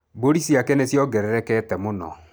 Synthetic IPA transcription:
boɾisiakɛnesjɔɡɛɾɛɾɛkɛtɛmonɔ̰

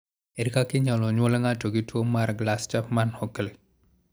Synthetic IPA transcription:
eɾikakiɲaloɲoleŋatoɡituomaɾɡlast͡ʃafmanhokele

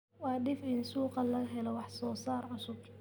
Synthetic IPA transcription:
wɑːɗɪfɪnsuːqɑlɐɣɐɦɛlɔwɑħsɔːsaːrʕʊsʊb

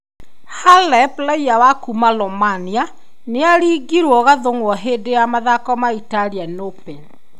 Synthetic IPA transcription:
halɛplaiawakumalɔmania | neaɾiɡiɾwɔɣaðoŋwɔɦeːdejamaðakɔmaitalianopɛl

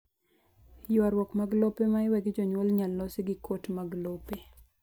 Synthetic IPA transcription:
jʊaɾwɔkmaɡlopemaɪwɛɡd͡ʒɔɲwɔlɲalːɔsɪɡɪkʰotmaɡlope

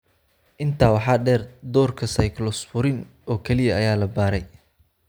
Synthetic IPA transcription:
ʔɪnt̪ʰaːwɑħɑːɖɛːrd̪ɔːrkʰɐsɐjklɔsfʊɾɪn | ɔːkʰɛlɪjɐɐjaːlɐbaːɾɛj

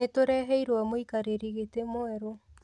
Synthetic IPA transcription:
etoɾɛɦɛiɾwamoikaɾeɾiɣetemoɛɾo

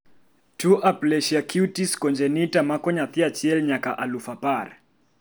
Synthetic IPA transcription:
tuʔaplɛʃiakʰutiskɔnd͡ʒɛnitamakɔɲaθiat͡ʃiɛlɲakaʔalufapar

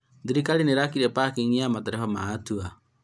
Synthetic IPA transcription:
ðiɾikalineɾakiɾɛpakeɲiamatɛɾɛfamaːtua

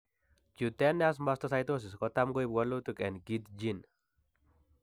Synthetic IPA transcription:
d͡ʒut̪ɛnas̬mast̪ɔsajt̪os̬ɪskɔt̪amɡoibalot̪ukɛnɡit̪d͡ʒin

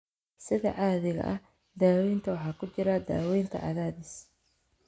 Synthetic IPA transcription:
sɪðɐ̰ʕɑːðɪɣɐ̰ʔɐ | d̪aːwɛjnt̪ʰɐwɑħɑːkʰʊt͡ʃɪɾɐd̪a̰ːwɛjnt̪ʰɐ̰ʕɑ̰ðaːðɪs

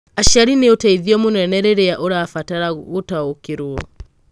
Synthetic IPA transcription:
aʃaɾiniutaiðiɔmunɛnɛɾɛɾɛaʔuɾafataɾaɣutaukiɾuɔ

